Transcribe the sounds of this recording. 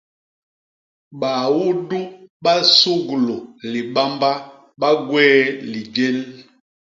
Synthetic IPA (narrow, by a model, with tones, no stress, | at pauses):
ɓa˨wu˦du˦ɓa˦su˦ɡu˨lo˨li˨ɓa˦mba˦ | ɓa˦ɡwɛː˦li˨d͡ʒe˦l